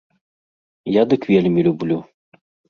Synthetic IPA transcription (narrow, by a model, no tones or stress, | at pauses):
jad̪ɨkvʲelʲmʲilʲublʲu